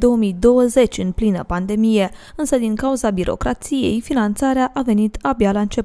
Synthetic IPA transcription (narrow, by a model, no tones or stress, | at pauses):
d̪o̞omijd̪o̞wəze̞t͡ʃʲɨnplinəpand̪e̞mije̞ɨnsəd̪iŋkauzabiɾʔo̞̰kɾʔat̪sije̞jfinant̪saɾeaʔave̞nit̪ʰabjalaɨnt͡ʃe̞